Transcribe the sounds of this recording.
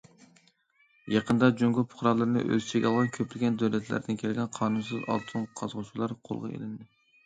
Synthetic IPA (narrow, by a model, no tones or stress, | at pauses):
jɑqʰənd̪ɑd͡ʒoŋɡʲʊpʰʊ̥χɾɑlˠɨɾnɨ̰ʔø̰zɪt͡ʃʰeɡʲɑlˠʁɑnkʲʰøplɪɡʲɛnd̪øwlɛt̪ʰlæ̰ɾd̪ɪnkʲʰelɡʲɛnqʰɑːnunsɨzɑ̰lˠt̪ʰɨŋqʰɑzʁʊt͡ʃʰulˠɑɾqʰo̰lˠʁɑ̰ḛlɪnd̪ɪ